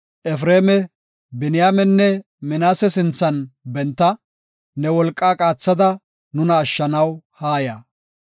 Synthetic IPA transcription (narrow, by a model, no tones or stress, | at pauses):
ʔɛf̬ɾeːmɛ | bɪnɪjaːmɛnːɛ | mɪnaːsɛsɪnt͡sːɐnbɛnt̪ːɐ | nɛwɔlkʼːaːkʼaːt͡sːɐd̪ɐ | nʊnɐːʃːɐnɐwhaːjɐ